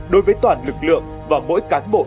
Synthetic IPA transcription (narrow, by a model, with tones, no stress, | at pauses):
ɗo˨˦jvəː˨˦jt̪waː˨˩nlɨ˨˩k̚lɨ̰˧˨əŋ | vaː˨˩mo̰˧˥jkaː˨˦nɓo̰˧˨